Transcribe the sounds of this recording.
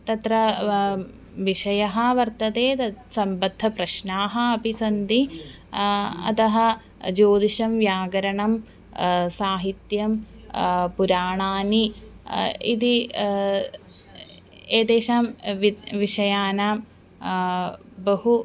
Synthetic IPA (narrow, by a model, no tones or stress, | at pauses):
t̪ɐt̪ɾɐ | ʋiʃɐjɐɦɐʋɐɾt̪ɐd̪eːt̪ɐsɐmbɐd̪ʱːɐpɾɐʃnaːɦɐɐbʱisɐnd̪i | ɐ̰t̪ɐɦɐ̆ | d͡ʒoːd̪iʃɐmʋjaːɡɐɾɐɳɐm | saːɦit̪jɐm | puɾaːɳaːni | ḭd̪i | eːd̪eːʃaːmʋiʋiʂɐjaːnaːm | bɐɦu